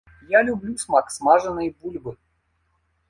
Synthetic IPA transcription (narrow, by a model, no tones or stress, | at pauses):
jalʲʊblʲusmaksmaʐɨnɨjbulʲbɨ